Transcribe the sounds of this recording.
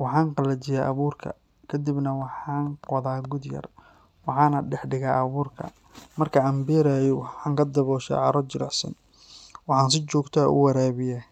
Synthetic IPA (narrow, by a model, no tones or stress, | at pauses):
wɑħɑːŋqɑlɐt͡ʃɪjaːʔɐβuːrkʰɐ̰ | kʰɐd̪ɪbnɐwɑħɑːnqwɐðaːɡʊd̪jɐ̰r | wɑħɑːnɐɖɛħɖɪɣaːʔɐβuːrkʰɐ̰ | mɐrkʰɐɐmbiːɾaːjɔwɑħɑːŋkʰɐd̪ɐβɔːʃa̰ːʕɑɾɔt͡ʃɪɾɑħsɐ̰n | wɑħɑːnsɪt͡ʃɔːɡt̪ʰaːʊ̰wɐɾaːβɪjaː